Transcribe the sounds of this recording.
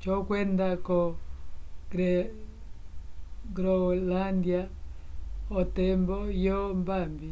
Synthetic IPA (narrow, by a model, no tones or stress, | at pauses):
t͡ʃɔkwɛndakɔ | ɡɾɛ | ɡɾɔlandia | ɔtɛmbɔjɔmbambi